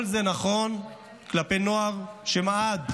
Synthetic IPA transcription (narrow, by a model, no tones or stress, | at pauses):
lzenaχo̞n | klape̞jno̞aʁʃemaad̪